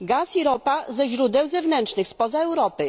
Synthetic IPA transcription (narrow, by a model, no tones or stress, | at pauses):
ɡasiɾɔpazɛʑɾud̪ɛwzɛvnɛntt͡ʂnɘxspɔzaɛwɾɔpɘ